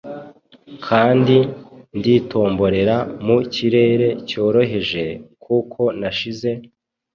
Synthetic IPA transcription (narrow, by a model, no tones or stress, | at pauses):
kʰaːndindiːto̞ːmbo̞ɾe̞ɾamuciɾe̞ːɾe̞co̞ːɾo̞ɦe̞ʒe̞kʰuːkʰo̞naʃize̞